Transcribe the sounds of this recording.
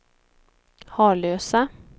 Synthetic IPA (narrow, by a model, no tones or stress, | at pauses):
hɑːɭøːsa